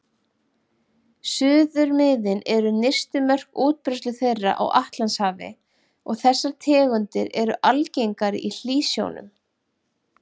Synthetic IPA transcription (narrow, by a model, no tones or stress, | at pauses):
sʏːðʏɾmɪðɪnɛɾʏnejrst̪ʏmœr̥kuːt̪̚pɾɛst̪lʏθejrːa̰ʔa̰wʔaht̪lanshaːvɪ̰ | ɔɣθɛsːaɾt̪ʰɛːɣʏnt̪ɪɾɛɾʏʔalcejŋkaɾɪ̰ʔil̥iːsjo̰wnʏ̰m